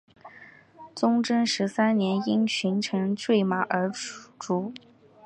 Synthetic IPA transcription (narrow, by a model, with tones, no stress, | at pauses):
t͡sʊ˥ŋʈ͡ʂɤ˥nʂɻ̩˧˥sa˥nnjɛ˧˥ni˥nɕʰy˧˥nʈ͡ʂʰɤ˧˥ŋʈ͡ʂwe˥˩ɪma˨˩ʔə˞˧˥ʈ͡ʂʈ͡ʂu˧˥